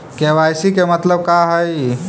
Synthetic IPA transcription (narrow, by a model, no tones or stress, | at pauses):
keʋajsikemət̪ləb̚kaɦəj